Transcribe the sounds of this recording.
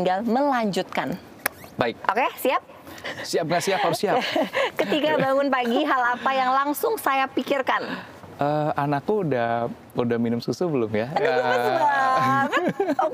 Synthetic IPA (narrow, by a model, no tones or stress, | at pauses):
ŋɡalməlaɲd͡ʒut̪̚kan | baɪk̚ʔokesiap̚siap̚ŋasiapaɾʊsiakət̪ikabaŋʊnpaɡiɦalapajaŋlaŋsʊŋsajapikirkan | ʔəːanakːuudah | udahminʊmsusubəlʊmjaəaa